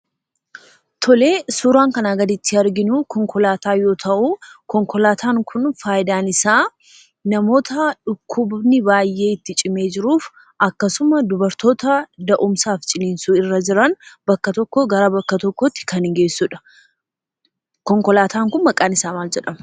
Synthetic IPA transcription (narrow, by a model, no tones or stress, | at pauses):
t̪ʰɔle̞ːsuːɾaːŋkɐnaːɡɐd̪ɪt̪ːɪɐɾɡɪnukɔŋkɔlaːt̪aːjo̞ːt̪ʰɐʔukɔŋkɔlaːt̪ʰaːŋkʰʊnfaːjɪd̪aːnɪsaː | nɐmo̞ːt̪ɐᶑʊkʰːʊbnɪbaːjːe̞ːɪt̪ːɪt͡ʃʼɪme̞ːd͡ʒɪɾuːf | ʔɐkːɐsʊmɐd̪ʊbɐɾt̪o̞ːt̪ɐd̪ɐʔʊmsaːft͡ʃʼɪliːnsuːɪrːɐd͡ʒɪɾɐnbɐkːɐt̪ɔkːɔɡɐɾabɐkːɐt̪ɔkːɔt̪ːɪ̥kɐnɪŋɡe̞ːsːuːᶑɐ̥ | kɔŋkɔlaːt̪aːŋkʊnmɐkʼaːnɪsaːmaːld͡ʒɛᶑɐmɐ̥